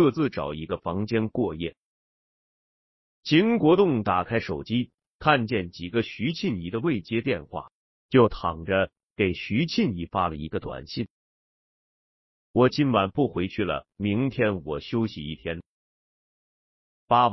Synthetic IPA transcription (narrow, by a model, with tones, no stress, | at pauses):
ɤ˥˧t͡sɹ̩˥˩ʈ͡ʂɑ̰˨˩ʊi˧˥ɡə˧fɑ˧˥ŋt͡ɕjɛ˥nkwɔ˥˧jɛ̰˥˩ | t͡ɕʰi˧˥ŋkwɔ˧˥t̪ʊ˥˩ŋt̪a˨˩kʰa˥ɪʂo˨˩ʊt͡ɕi˥ | kʰa˥˧nt͡ɕjɛ˥˩nt͡ɕi˨˩ɡə˦ɕy˧˥t͡ɕʰi˥˩ni˧˥d̪ə˧we˥˩ɪt͡ɕjɛ˥t̪jɛ˥˧nxwa̰˥˩ | t͡ɕjo˥˩ʊt̪ʰɑ˨˩ŋʈ͡ʂə˦ | ke˨˩ɪɕy˧˥t͡ɕʰi˥˩ni˧˥fa˥lə̰˨ḭ˧˥ɡə˧t̪wa̰˨˩nɕi˥˩n | wɔ˨˩t͡ɕi˥nwa˨˩npu˥˩xwe˧˥ɪt͡ɕʰy˥˩lə̰˩mi˧˥ŋt̪ʰjɛ˥nwɔ˨˩ɕjo˥ʊɕi˨ḭ˥˩t̪ʰjɛ˥n | pa˥